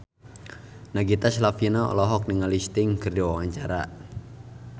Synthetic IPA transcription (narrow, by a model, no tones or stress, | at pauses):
naɡit̪aslafinaɔ̰lɔɦɔk̚niŋalist̪iŋkərdiwawaɲt͡ʃaɾa